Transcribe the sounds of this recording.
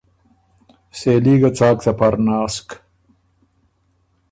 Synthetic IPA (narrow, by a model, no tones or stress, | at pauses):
seːliːɡɐt͡saːkt̪ɐpɐɾnaːsk